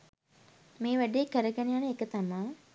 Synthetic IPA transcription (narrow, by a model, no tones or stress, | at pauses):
meːʋæɖeekəɾəɡænejanəekət̪amaː